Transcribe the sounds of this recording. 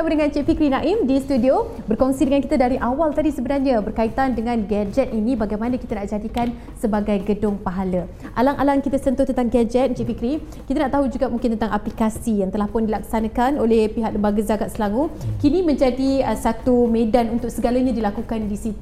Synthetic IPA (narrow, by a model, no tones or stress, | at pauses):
amudəŋãnt͡ʃiʔfikɾinaʔɪmdist̪udio | bərkɔŋsidəŋankit̪adaɾiʔawalt̪adisəbənarɲãbərkait̪andəŋãnɡad͡ʒɛt̪̚inĩbaɡajmanakit̪anaʔd͡ʒadikan | səbaɡajɡədʊŋpaɦalə | ʔa̰laŋʔalaŋkit̪asənt̪ʊht̪ənt̪aŋɡad͡ʒɛt̪̚t͡ʃɛʔfikɾi | kit̪anaʔt̪aɦud͡ʒuɡaʔmũŋkɪnt̪ənt̪aŋʔaplikasijaŋt̪əlahpʊndilak̚sanakanolehpiɦak̚ləmbaɡəzaɡaʔ̪̚səlaŋukinĩmə̃ɲd͡ʒadiəsat̪umedanunt̪ʊk̚səɡalaɲadilakukandisit̪u